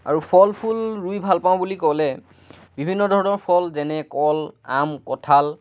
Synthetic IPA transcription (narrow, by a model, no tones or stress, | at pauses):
a̰ɹupʰɔlpʰulɹujbʱalpaʊ̃bulikɔlɛ | bibʱinːɔdʱɔɹɔnɔɹpʰɔlzɛnɛkɔla̰mkɔtʰal